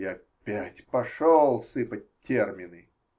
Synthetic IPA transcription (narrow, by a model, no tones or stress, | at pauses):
aɐpʲætʲpɐʂɔlˠsɨpət̚ʲtʲːermʲɪnɨ